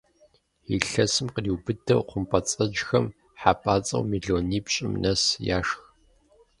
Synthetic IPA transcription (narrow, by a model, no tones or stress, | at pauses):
iɬɐsɨmqəriwbɨdɐwqʷʊmpʼɐt͡sʼɐd͡ʒxɐm | ħaːpʼaːt͡sʼɐ̰wmiːɮoːniːpɕʼɪmnɐsjaːʂx